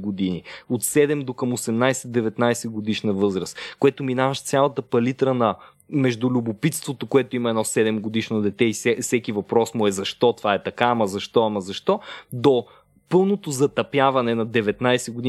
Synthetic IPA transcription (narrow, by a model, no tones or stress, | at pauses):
ɡod̪iniot̪sɛd̪ɛmd̪okəmosɛmnajsɛd̪ɛvɛt̪najsɛɡod̪iʃnɐvɤzɾəskoɛt̪ominavəʃt̪sʲalˠɐt̪əpɐlit̪ɾənɐ | mɛʒd̪ulʲubopit̪st̪vot̪okoɛt̪ʊimɐɛnɔsɛd̪ɛmɡod̪iʃnod̪ɛt̪ɛisɛfsɛkivɐpɾɔsmʊɛzɐʃt̪ɔt̪ovaɛt̪ɐkaːmɐzɐʃt̪ɔamɐzɐʃt̪ɔd̪o | pɤlˠnot̪ozɐt̪ɐpjavɐnɛnɐd̪ɛvɛt̪najsɛɡʊd̪i